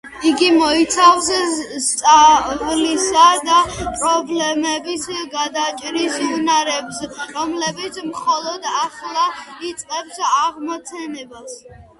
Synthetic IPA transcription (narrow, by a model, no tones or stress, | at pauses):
iɡimɔit̪sʰavsst̪ʼavlisad̪apʼɾɔblɛmɛbisɡad̪at͡ʃʼɾisunaɾɛpsɾɔmlɛbit̪sʰmχɔlˠɔd̪aχlˠait̪sʼqʼɛbsaʁmɔt̪sʰɛnɛbas